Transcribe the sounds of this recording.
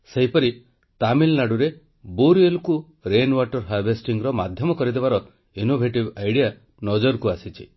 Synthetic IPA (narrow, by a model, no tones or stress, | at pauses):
seɦipɔɾi | t̪amilnaɽuɾe | boɾielku | ɾenwaʈɔɾɦajbʱesʈiŋɡɾɔmad̪ʱjɔmɔkɔɾid̪eβaɾɔ | inobʱeʈibajɽija | nɔd͡ʒɔɾkuasit͡ʃʰḭ